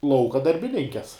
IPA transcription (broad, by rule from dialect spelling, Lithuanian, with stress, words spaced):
ˈlˠɐʊkɐ dɐrʲbʲɪˈnʲɪŋʲkʲɛs